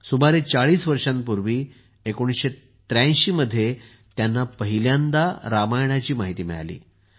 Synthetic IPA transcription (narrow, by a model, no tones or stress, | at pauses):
subaɾet͡saɭiːsʋəɾʂanpuɾʋiː | ekoɽ̃isɕe | t̪ɾãj̃ɕiːməd̪ʱːje | t̪janːapəɦiljãnd̪aɾamajɳ̃at͡ɕiːmaɦit̪iːmɛ̰ɭa̰lḭː